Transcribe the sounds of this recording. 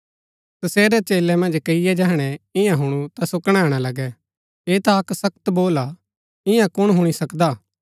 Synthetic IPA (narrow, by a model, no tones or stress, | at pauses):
t̪ɐseːɾɛt͡ʃeːlɛmɐ̃nd͡ʒkɐijɛd͡ʒɛɦɽ̃ɛɪ̃jãɦʊɽ̃ut̪asʊkɽ̃ɛːɽ̃alɐɡɛ | eːt̪aɐksɐkt̪boːla | ɪ̃jãkʊɽ̃ɦʊɽ̃isɐkd̪aː